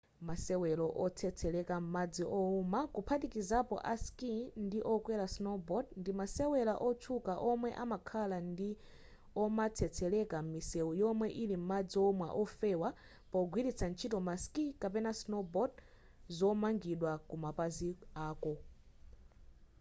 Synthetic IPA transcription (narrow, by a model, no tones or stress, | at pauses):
masɛwɛlɔʔɔt͡sʰɛt͡sʰɛlɛkam̩mad͡ziʔɔumakupʰatikizapɔ̰ʔaskindiʔɔkwɛɾasnɔbɔdndimasɛwɛlaʔɔtʰukaʔɔmwɛʔamakʰalandi | ɔmat͡sʰɛt͡sʰɛlɛkamisɛujɔmwɛʔilim̩mad͡ziɔmwa̰ʔɔfɛwa | pɔɡwiɾit͡sʰant͡ʃʰitɔmaskikapɛnasnɔbɔd | zɔmaŋɡiɗwakumapaziaːkɔ